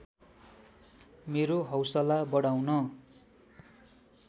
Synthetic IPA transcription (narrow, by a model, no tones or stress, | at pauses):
meɾoɦʌwsʌlabʌɽawnʌ